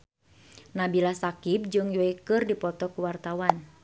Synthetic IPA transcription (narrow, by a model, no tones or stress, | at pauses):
nabilasakip̚d͡ʒɨŋjɔikɨrdipɔt̪ɔkuwart̪awan